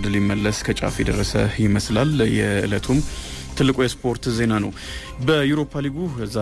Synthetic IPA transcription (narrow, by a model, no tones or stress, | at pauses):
d̪ɨljɪmːəlːəskʰət͡ʃʼa̰fjɛd̪ərːəsə̰jɪməslaljɛʔɨ̰lət̪ʰum | t̪ʰɨlːɨkʼujɛspʰo̞ɾt̪ze̞nanəw | bəjuɾo̞pʰaliɡuza